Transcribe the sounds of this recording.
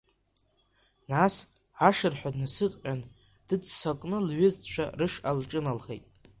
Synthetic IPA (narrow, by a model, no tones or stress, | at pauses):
nas | ʕaʂɨrħʷᶣadnasɨtʼqʲʼan | d̥ɨd͡zsakʼnɨlɥʊztʼt͡ʃʷᶣʰa̰rɨʂalʈ͡ʂʼɨnalχḛjtʼ